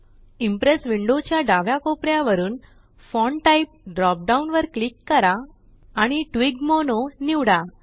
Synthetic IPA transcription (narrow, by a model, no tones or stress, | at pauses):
impɾesʋiɳɖot͡ɕjaɖaʋjakopɾjaʋəɾuːn | fɔɳʈaip̚ɖɾɔp̚ɖaunʋəɾklikːəɾaː | ɽ̃iʈʋiɡmononiʋɽa